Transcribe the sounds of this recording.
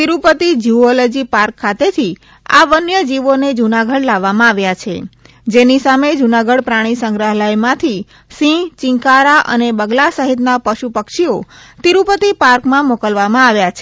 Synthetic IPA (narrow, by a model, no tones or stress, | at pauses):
t̪iɾupət̪id͡ʒiolod͡ʒipaɾkʰːat̪et̪ʰi | a̰ʋənjəd͡ʒiʋoned͡ʒunaɡəɽlaʋːamãaʋjat͡ʃʰe | d͡ʒenisamed͡ʒunaɡəɽpɾaɽ̃isəŋɡɾəɦlajmãt̪ʰi | sĩt͡ʃɪ̃ŋkaɾaʔə̰nebəɡlasəɦit̪napəʃupəkʃiot̪iɾupət̪ipaɾkmãmokəlʋamãaʋjat͡ʃʰe